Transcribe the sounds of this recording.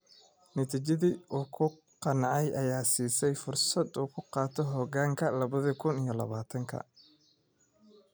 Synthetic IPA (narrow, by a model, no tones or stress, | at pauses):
nɐt̪ʰiːt͡ʃɐðiʔuːkʰʊ | qɑnɑʕɑjʔɐjaːsiːsɛjfʊrsɐd̪uːkʰʊqɑːt̪ʰɔɦɔɣaːŋkʰɐlɐβɐðɐkʰʊnijɔlɐ̰βaːt̪ʰɐŋkʰɐ̰